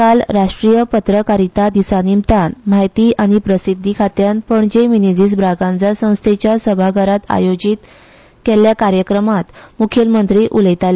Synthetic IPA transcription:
kalɾaʂʈɾijəpət̪ɾəkaɾit̪ad̪isanimt̪anmajt̪iːʔaɽ̃ipɾəsid̪ʱːikʰat̪janpəɳd͡ʑeminid͡ʑis̬bɾaɡãnd͡zasə̃w̃st̪ʰet͡ɕjasəbʱaɡʱəɾat̪a̰jod͡ʑiːt̪ | keljakaɾjəkɾəmat̪mukʰjəlmənt̪ɾiʔuləjt̪al

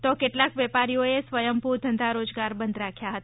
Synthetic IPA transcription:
t̪okeʈlakʋɛpaɾijoesʋəjəmpud̪ʱənd̪ʱaɾod͡ʒɡaɾbənd̪ɾakʰjaɦət̪

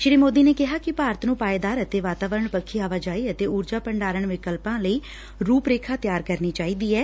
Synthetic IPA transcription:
ʃɾiːmoːd̪iːneːkɪɦaːkɪpaːɾət̪nũːpaːed̪aːɾət̪eːʋaːt̪aːʋəɾəɳpəkʰːiːaːʋaːd͡ʒaːiːət̪eːuːɾd͡ʒaːpəɳɖaːɾəɳʋɪkəlpãːləiː | ɾuːpɾeːkʰaːt̪jaːɾkəɾniːt͡ʃaːiːd̪iːɛː

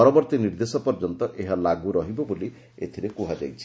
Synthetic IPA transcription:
ɔɾɔbɔɾt̪iniɾd̪esɔpɔɾd͡ʒɔnt̪ɔʔeɦalaɡuɾɔɦibɔboli | et̪ʰiɾekuɦad͡ʒajt͡ʃʰi̥

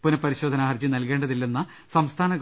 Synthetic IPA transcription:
punɐpːɐɾiɕo̞ːd̪ʱɐnaːɐrd͡ʑinɐlkeːɳɖɐðilːenːɐ | sɐmst̪ʰaːnɐɡ

